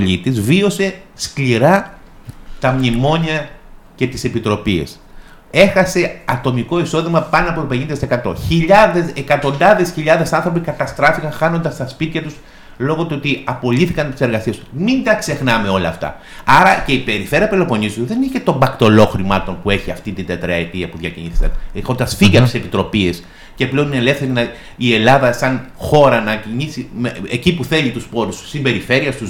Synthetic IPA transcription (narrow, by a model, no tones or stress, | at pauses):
oʎit̪izvio̞se̞skliɾɐ | t̪ɐmɲimo̞ɲiɐce̞t̪ise̞pit̪ɾo̞piḛs | e̞xɐse̞ɐt̪o̞miko̞iso̞ðimɐpɐnoɐpot̪opeɲind̪ɐt̪sekɐt̪o̞̰çiʎɐðe̞sekɐt̪o̞nd̪ɐðe̞sçiʎɐðe̞sɐnθɾo̞p̬ikɐt̪ɐst̪ɾɐfikɐnxɐno̞nd̪ɐst̪ɐspit̪çɐt̪us | lo̞ɣo̞t̪uot̪iɐpo̞liθikɐnt̪i̥se̞ɾɣɐsie̞smind̪ɐkse̞xnɐme̞o̞lɐ̰ːft̪ɐ̰ | ɐɾɐce̞ipe̞ɾife̞ɾɐpelopo̞nizðeniçet̪o̞mbɐkt̪o̞lo̞xɾimɐt̪o̞npue̞çiɐ̰ft̪int̪ind̪et̪ɾɐet̪iɐpuðʝɐciɲiθisɐ̰nexo̞nd̪ɐsfiʝɐp̪isepit̪ɾo̞pies | ce̞pleo̞nineele̞fθe̞ɾinɐ | ie̞lɐðɐsɐnxo̞ɾɐnɐciɲisimeecipuθe̞ʎit̪uspo̞ɾussːimbe̞ɾife̞ɾiɐst̪us